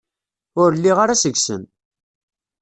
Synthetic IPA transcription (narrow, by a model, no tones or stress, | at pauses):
ʊɾlːiʁaɾasəɡsə̰n